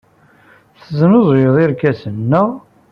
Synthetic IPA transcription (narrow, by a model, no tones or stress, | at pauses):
θəznoðˤjəðˤɪɾkæsənːə